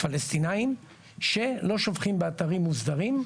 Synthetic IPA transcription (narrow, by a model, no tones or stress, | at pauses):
falest̪inaim | ʃe̞lo̞ʃovχimbeat̪aʁimːuzd̪aʁim